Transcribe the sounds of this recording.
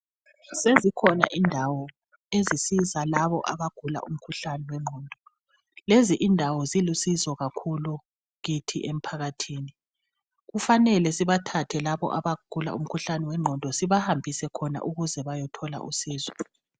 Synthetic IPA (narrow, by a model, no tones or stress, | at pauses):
sezikʰɔna̰ʔindʱawɔ | ezisizalaβɔʔaβaɡ̥ʱula̰ʔum̩kʰuɬanɛwɛŋ͡ǀʱɔːndʱɔ | leziʔindʱawɔzilusizɔɣakʰulu | ɣitʰḭʔem̩pʰaɣatʰiːni | ɣufanɛlɛsiβatʰatʰɛlaβɔ̰ʔaβaɡ̥ʱula̰ʔṵm̩kʰuɬanɛwɛŋ͡ǃʱɔndʱɔsiβahambʱisɛkʰɔna̰ʔuɣuzɛβajɔtʰɔla̰ʔṵsiːzwɔ